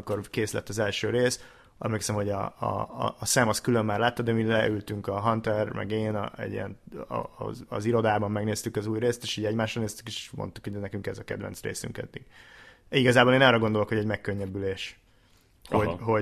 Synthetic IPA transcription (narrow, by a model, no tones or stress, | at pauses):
iko̞rkeːslɛ̰t̪ːɒzɛlʃøːɾeːs | ɛ̰mleːksɛmho̞ɟɒ̰ː | saːmɒskylømːaːrlaːt̪ːɒd̪ɛmilɛʔylt̪yŋkɒɦɒnt̪ɛrmɛ̰ɡeːn̰ɛ̰ɟḭjɛ̰n̰ | ziɾo̞d̪aːbɒmːɛɡneːst̪ykɒzuːjreːst̪eːʃiːɟɛɟmaːʃrɒneːst̪y̥keʃmo̰nt̪ukhoɟɛnɛkyŋkɛzɒkɛ̰d̪vɛ̰nt̪srḛːsy̰ŋkɛ̰d̪ːiɡ | iɡɒzaːboːleːnɛːrɒɡo̞nd̪o̞lo̞kho̞ɟɛɟmɛkːøɲːɛbyleːʃ | hoɦo